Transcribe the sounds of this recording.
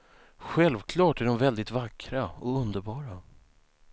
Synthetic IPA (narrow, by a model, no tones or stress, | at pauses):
ɧɛlvkʰlɑːʈæɖɔmvɛld̪ɪt̪vakʰːɾaɔɵnd̪əɾbɑːɾa